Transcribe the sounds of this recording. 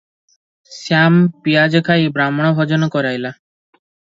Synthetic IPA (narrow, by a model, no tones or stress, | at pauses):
sjampiad͡ʒɔkʰajbɾamɔɽ̃ɔbʱɔd͡ʒɔnɔkɔɾajla